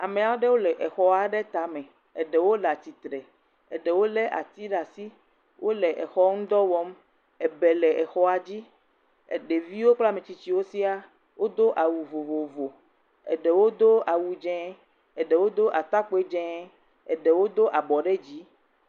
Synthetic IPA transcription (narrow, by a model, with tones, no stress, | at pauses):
a˨mẽ˨a˨˦o˦ɖe˦wo˦lɛ˨ʔɛ˨xɔ˦a˨˦ɖe˦t̪a˨mẽ˨ | ɛ˨ɖɛ˨wo˦la˨t̪i˨t̪ɾɛ˨ | ḛ˨ɖe˨wo˦le˦ʔa̰˨t̪i˦ɖa˨si˦ | wʔo˦lɛ˨ʔɛ˨xɔ˦ŋũ˦d̪ɔ˦wɔ˦m | ɛ˨bɛ˨lɛ˨ɛ˨xɔ˦a˨d͡ʑi˦ | ḛ˨ɖe˨vi˦wo˦k͡pla˦˨mẽ˨t͡ɕi˨t͡ɕi˦wo˦si˦a˦ | wʔo˦d̪o˦ʔa˨wu˨vo˨vo˨vo˨ | ɛ̰˨ɖɛ˨wo˦d̪o˦a˨wu˨d͡ʒɛ̃˦ | ɛ˨ɖɛ˨wo˦d̪o˦ʔa˨t̪a˦k͡pe˦d͡ʒɛ̃˦ | ɛ˨ɖɛ˨wo˦d̪o˦ʔa˨bɔ˨ɖe˦d͡ʑi˨˦